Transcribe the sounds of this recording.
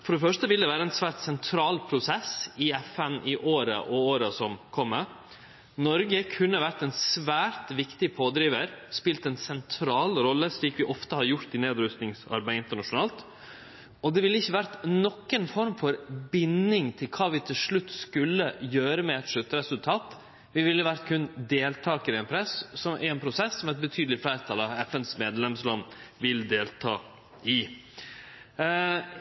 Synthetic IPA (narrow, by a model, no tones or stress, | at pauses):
fɔɖɛfœʂt̪əʋɪld̪ɛʋæːɾəɛnsʋæːɾʈ̪sɛnt̪ʰɾɑːlpʰɾʊsɛsɪɛfɛnɪʔoːɾə̰ʔɔoːɾəsɔmkʰɔmːə | nɔɾɡəkʰʉnːəʋæɾt̪ɛnsʋæːɾt̪ʋɪkt̪ɪpʰoːd̪ɾiːʋəɾspɪlt̪ɛnsɛnt̪ʰɾɑːlɾɔlːəʂɭiːkʋɪʔɔft̪əhɑɾjʊɾt̪ɪneːd̪ɾʉst̪nɪŋsɑ̰ɾbæɪɪnt̪əɳɑʂʊnɑːlt̪ | ɔd̪ɛʋɪlːəɪçːəʋæɾt̪nɔkːənfɔɾmfɔɾbɪnːɪŋt̪ʰɪlkʰɑːʋɪt̪ʰɪlʂɭʉt̪ːskʉlːəjøːɾəmɛɛt̪ʂʉt̪ːəɾɛsʉlt̪ʰɑːt̪ | ʋɪʋɪlːəʋæɾt̪kʰʉnd̪eːlt̪ʰɑːkəɾɪɛnpʰɾɛssɔmʔæ̰ɾɛnpʰɾʊsɛsːɔmæɾɛt̪̚bət̪ʰyːd̪əlɪflæːɾət̪ʰɑlɑɛfɛnsmeːd̪lɛmslɑnʋɪld̪eːlt̪ʰɑː | ɪ